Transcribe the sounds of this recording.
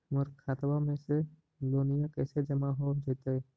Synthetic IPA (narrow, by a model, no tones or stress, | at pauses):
məɾkʰaːt̪bamẽse | loːnijakɛːsed͡ʒəmaɦod͡ʒeːt̪eɛ